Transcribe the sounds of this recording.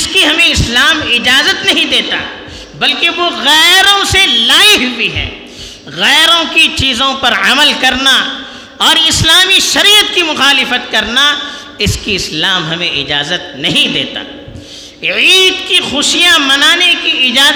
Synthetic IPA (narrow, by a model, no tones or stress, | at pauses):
ɪskiɦɐmẽɪslaːmɪd͡ʒaːzət̪nɐɦĩd̪eːt̪a̰ɦɛ | bɐlkeʋoɣɛːɾõselaːɪɦʊwiɦɛ̰ː | ɣɛːɾõkit͡ʃiːzõpɐɾɐməlkɐɾna | ɔːɾɪslaːmiʃɐɾiːət̪̚kimʊxaːlɪfət̪̚kɐɾna | ɪskiɪslaːmɦɐmẽʔɪd͡ʒaːzət̪̚nɐɦĩd̪ḛːt̪a̰ː | iːd̪kixʊʃijamɐnaːnekiɪd͡ʒaː